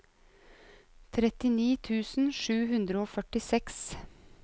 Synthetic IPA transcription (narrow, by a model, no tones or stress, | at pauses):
t̪ʰɾɛt̪ɪniːt̪ʰʉːsn̩ʃʉːhʉnd̪ɾəoːfœʈɪsɛks